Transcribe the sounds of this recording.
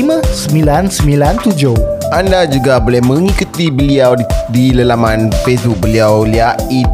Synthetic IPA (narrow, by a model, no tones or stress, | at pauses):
imãsəmilansəmĩlant̪ud͡ʒoʔandad͡ʒuɡabolɛhmə̃ŋikut̪ibəliawdiləlamãnfesbuk̚bəliawliaʔi